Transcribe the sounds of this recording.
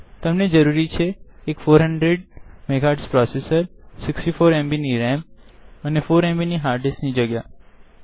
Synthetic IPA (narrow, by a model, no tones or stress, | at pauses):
t̪əmned͡ʒəɾuɾit͡ʃʰeːkfoɾɦəɳɖɾeɖmeɡʱaɖspɾɔsesəɾsɪksʈifoɾẽmbiniɾɛ̃mp̚ənefoɾẽmbiniɦaɾɖesʈnid͡ʒəɡja